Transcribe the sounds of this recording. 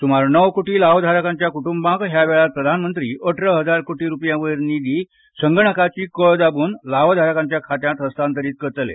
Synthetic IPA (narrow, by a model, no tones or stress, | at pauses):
t̪umaɾnəʋkoʈiːlaʋd̪ʱaɾəkãɲt͡ɕjakuʈumbãkɦjaʋɛɭat̪̚pɾəd̪ʱanmənt̪ɾiːʔəʈʰɾəɦəd͡zaɾkoʈiːɾupjãʋəɾnid̪ʱiː | səŋɡəɳ̃əkat͡ɕiːkəɭd̪abuːnlaʋd̪ʱaɾəkãɲt͡ɕjakʰat̪jãt̪ɦəst̪ʰant̪əɾiːt̪̚kəɾt͡səlḛ